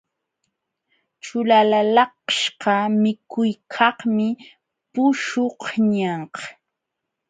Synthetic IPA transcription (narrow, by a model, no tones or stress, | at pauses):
t͡ʃʊlalalɑqʃqɑmɪkʊjkʰɑhmɪ | pʊʃohɲɑɴqɑ̥